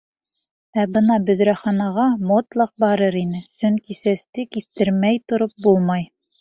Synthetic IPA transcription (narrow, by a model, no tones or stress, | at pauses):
æbɤnɑbɵ̆ðɾæχɑnɑʁɑmot̪lˠɤq̚bɑɾɤɾinɘsɵŋkisæst̪ɘkiθt̪ɘ̆ɾmæjt̪ŏɾop̚bulˠmɑj